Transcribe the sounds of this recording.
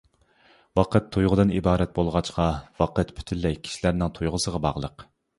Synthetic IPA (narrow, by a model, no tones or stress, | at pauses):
wɑqət̪ʰːujʁʊd̪ɨnibɑːɾɛt̪̚bolˠʁɑt͡ʃqɑvɑqət̪pʰy̥t̪ʰylːɛjkʲʰi̥ʃilæɾnɪŋt̪ʰujʁʊsəʁɑbɑ̰ʁlˠəq